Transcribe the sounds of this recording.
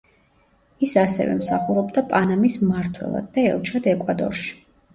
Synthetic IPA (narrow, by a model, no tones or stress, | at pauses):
isasɛ̰vɛ̰msaχuɾɔbd̪apʼanamismaɾt̪ʰwɛ̰lˠa̰d̪̚ːaɛ̰lˠt͡ʃʰad̪ɛkʼwad̪ɔ̰ɾʃi̥